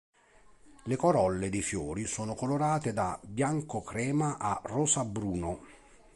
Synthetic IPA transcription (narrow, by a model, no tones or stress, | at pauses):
lekoɾɔlːed̪ifjoːɾisoːnokoloɾaːt̪ed̪abjaŋkokɾɛːmaʔarɔːsabɾuːno